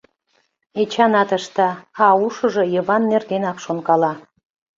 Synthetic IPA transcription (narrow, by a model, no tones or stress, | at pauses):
et͡ɕɑnɑt̪ə̆ʃt̪ɑɑuʃɤ̆ʒɤ̆jəβɑnːerɣenɑkʃonkɑlɑ